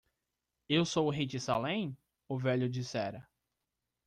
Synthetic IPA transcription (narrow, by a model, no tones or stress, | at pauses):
ewsowʊɦit͡ʃisa̰lẽj̃ | ʊvɛʎʊd͡ʒisɛɾɐ